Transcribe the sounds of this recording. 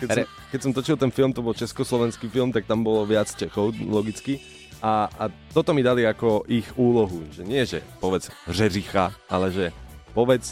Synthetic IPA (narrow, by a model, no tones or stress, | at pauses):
ɾɛ | kɛcsɔmt̪ɔt͡ʃilt̪ɛnfilmt̪ɔbɔlt͡ʃɛskɔslɔʋɛnskifilmt̪ak̚t̪ambɔlɔʋɪat͡st͡ʃɛxɔʊlɔɡit͡ski | aat̪ɔt̪ɔmid̪aliakɔʔixuːlɔɦuʒɛɲɪɛʒɛ̰pɔʋɛd͡zrɛɾixaʔa̰lɛʒɛpɔʋɛt͡s